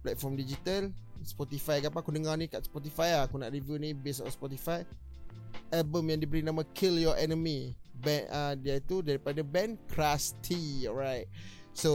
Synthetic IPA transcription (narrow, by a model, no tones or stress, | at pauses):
plɛt̚fɔmdid͡ʒit̪alspɔt̪ifajkapãkudəŋanĩkaʔspɔt̪ifajakuna̰ʔɹivjunĩbesɔ̰̃nspɔt̪ifaj | ʔɛbəmjãndibəɾinãmakʰiljɔʔɛnəmibɛ̃ʔadiait̪udaɹipadabɛ̃nkʰɾast̪ʰiɔɹajt̚so